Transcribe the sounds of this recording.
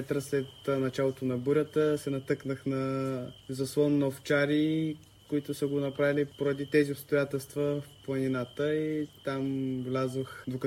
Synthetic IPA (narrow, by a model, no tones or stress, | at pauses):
ɛt̪ɾəslɛt̪nɐt͡ʃalˠot̪onɐbuɾʲət̪əsɛnɐt̪ɤknəxnɐzɐslˠɔnːɔft͡ʃaɾi | koit̪ʊsəɡonɐpɾavilipoɾɐd̪it̪ɛziʊpst̪ojat̪ɛlˠst̪vəfplˠɐninat̪əit̪amvlʲazvoxd̪ok